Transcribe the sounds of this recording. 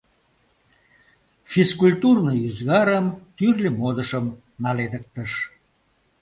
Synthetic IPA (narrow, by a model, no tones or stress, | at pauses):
fiskulʲt̪urnəyzɣɑɾəmt̪yrlʲemod̪əʃəm | nɑled̪ək̚t̪əʃ